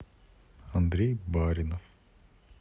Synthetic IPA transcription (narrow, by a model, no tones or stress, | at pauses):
and̪ɾʲejbaːɾʲinof